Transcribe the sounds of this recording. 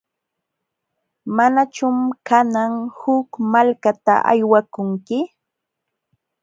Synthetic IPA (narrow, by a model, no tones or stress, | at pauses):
manat͡ʃʊmkanaŋhʊkmalkat̪a̰ʔa̰jwakʊŋkɪ